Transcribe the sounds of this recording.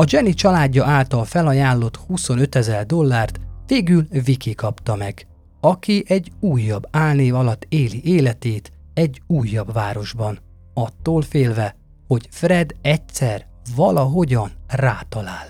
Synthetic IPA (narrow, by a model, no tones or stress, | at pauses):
ɒd͡ʒɛnit͡ʃɒlaːɟːɒʔaːlt̪ɒlfɛlɒjaːlːo̞t̪huso̞nøt̪ɛzɛrd̪o̞lːaːrt̪ʋeːɡylvikikɒpt̪ɒmɛɡ | ɒkiʔɛɟuːjːɒbːaːlneːvɒlɒt̪ːeːliʔeːlɛt̪eːt̪ | ɛɟuːjːɒbʋaːɾo̞ʒbɒn | ɒt̪ːoːlfeːlvɛ | ho̞ɟfrɛd̪ɛcsɛr | vɒlɒɦo̞ɟɒnraːt̪ɒlaːl